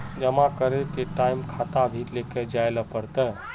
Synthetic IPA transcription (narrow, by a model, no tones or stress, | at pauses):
d͡ʒəmakəɾekeʈaɪmkʰat̪abʱit̪leked͡ʒaeləpəɾt̪ə